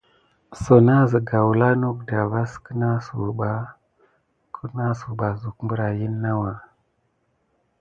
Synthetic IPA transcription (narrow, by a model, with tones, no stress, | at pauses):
so˨na˦zə˨ɡa˨wu˨la˦nu˦kda˨va˦skə˦na˦su˨ɓa˨ | kʰu˦na˦su˨ɓa˨zu˨kmbu˦ɾa˨ji˦nːa˦wa˨